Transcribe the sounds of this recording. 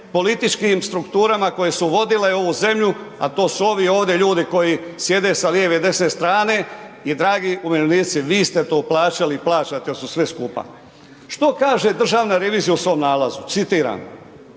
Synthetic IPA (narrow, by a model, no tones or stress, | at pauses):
po̞lit̪it͡ʃkimst̪ɾukt̪uːɾamako̞je̞suʋo̞d̪ile̞o̞ʋuze̞mʎu | a̰t̪o̞ːsuo̞ʋio̞ːʋd̪je̞ʎuːd̪iko̞jisje̞d̪e̞saljeːʋed̪e̞sne̞st̪ɾaːne̞id̪ɾaːɡiʔumeleniːt̪siʋiːst̪e̞t̪oːplaːt͡ʃaliːplˠaːt͡ʃat̪esusʋeskuːpa̰ | ʃt̪o̞kaːʒe̞d̪r̩ʒaːʋnaɾe̞ʋiːzijausʋo̞mnaːlazut̪sit̪iːɾa̰m